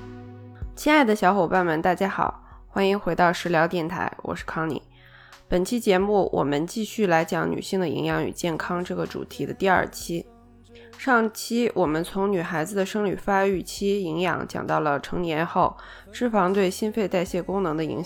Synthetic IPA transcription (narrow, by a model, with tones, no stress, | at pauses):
t͡ɕʰi˥na˥˩ɪd̪ə˩ɕjɑ˧˥ʊxo˨˩ʊpa˥˩nwə˧˥nt̪a˥˩t͡ɕja˥xɑ̰˨˩˦ʊxwa˥ni˧˥ŋxwe˧˥ɪt̪ɑ˥˩ʊʂɻ̩˧˥ljɑ˧˥ʊt̪jɛ˥˩nt̪ʰa̰˧˥ɪwɔ̰˨˩ʂɻ̩˥˩kʰɑ˥ŋlḭ˧˩˦ | pə˨˩nt͡ɕʰi˥t͡ɕjɛ˧˥mu˥˩wʔɔ̰˨˩mə˦nt͡ɕi˥˧ɕy˥˩la˧˥ɪt͡ɕjɑ˧˥ŋny̰˨˩ɕi˥˩ŋd̪ə˩ḭ˧˥ŋjɑ˧˥ŋy̰˨˩t͡ɕjɛ˥˩nkʰɑ˥ŋʈ͡ʂɤ˥˩ɡə˩ʈ͡ʂṵ˨˩t̪ʰi˧˥d̪ə̰˧t̪i˥˧ɐ̰˞˥˩t͡ɕʰi˥ | ʂɑ˥˩ŋt͡ɕʰi˥wʔɔ˨˩mə˦nt͡sʰʊ˧˥ŋny˨˩xa˧˥ɪd͡zɹ̩˧d̪ə˩ʂɤ˥ŋly˨˩fa˥y˥˩t͡ɕʰi˥i˧˥ŋjɑ̰˧˥ŋt͡ɕjɑ̰˨˩ŋt̪ɑ˥˩ʊlə˩ʈ͡ʂʰɤ˧˥ŋnjɛ˧˥nxo˥˩ʊ | ʂɻ̩˥˩fɑ˧˥ŋt̪we˥˩ɪɕi˥nfe˥˧ɪt̪a˥˧ɪɕjɛ˥˩kʊ˥ŋnɤ˧˥ŋd̪ə˧ḭ˧˥ŋɕ